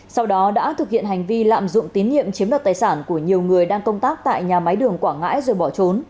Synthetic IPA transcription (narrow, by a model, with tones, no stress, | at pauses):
sa˧wɗɔ˨˦ɗa̰ː˧˥t̪ʰɨ˨˩k̚hḭ˧˨ənha˨˩jŋ̟vi˧la̰ː˧˨mzʊ̰˧˨ŋ͡mt̪i˨˦nːḭ˧˨əmt͡ɕi˨˦əmɗəː˨˩t̚t̪aː˨˩jsaː˧˩nku˧˩əɲi˨˩əwŋɨ˨˩əjɗaː˧ŋkə˧wŋ͡mt̪aː˦˥k̚t̪a̰ː˧˨jɲaː˨˩ma˨˦jɗɨ˨˩əŋkwaː˧˩ŋa̰ː˧˥jzəː˨˩jɓɔ˧˩t͡ɕo˨˦n